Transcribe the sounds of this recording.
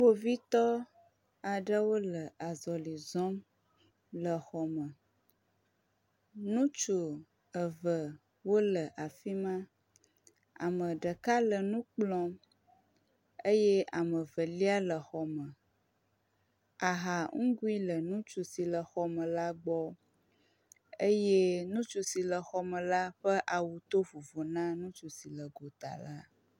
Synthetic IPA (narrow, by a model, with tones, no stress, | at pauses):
wo˦vi˦t̪ɔ˦ | a˨ɖə˦wo˦lə˨a˨zɔ˨li˨zɔ̃˦m | lə˨xɔ˨mə̃˨ | nũ˦t͡ʃu˨ | ə˨və˨ | wo˦lə˨ʔa˨fi˦mã˦ | a̰˨mə˨ɖə˨ka˦lə˨nũ˦k͡plɔ̃˦ | e˦jɛ˦a˨mə̃˨və˨li˦a˦lə˨xɔ˨mə̃˨ | a˨ɦa˨ŋ̩˦ɡu˦i˦lə˨nũ˦t͡ʃu˨si˨lə˨xɔ˨mə̃˨la˦ɡ͡bɔ˦ | e˦je˦nũ˦t͡ʃu˨si˨lə˨xɔ˨mə̃˨la˦ɸə˦ʔa˨wu˨t̪o˦vu˨vo˨nã˦nũ˦t͡ʃu˨si˨lə˨ɡo˨t̪a̰˨la˦